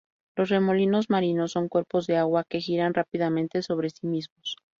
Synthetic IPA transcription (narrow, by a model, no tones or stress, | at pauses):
lo̞sre̞mo̞lino̞zmaɾino̞sːo̞ŋkwe̞ɾpo̞zðe̞aɣwake̞xiɾanrapiðamẽnt̪e̞so̞β̞ɾe̞simizmo̞s